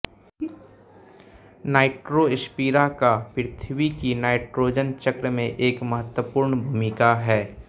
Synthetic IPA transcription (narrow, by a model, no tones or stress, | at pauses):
naːɪʈɾoɪʃpiːɾakapɪɾɪt̪ʰʋikinaːɪʈɾoːd͡ʒənt͡ʃɐkɾəmẽʔeːkmɐɦət̪wəpʊːɾɳbʱumɪkaɦɛː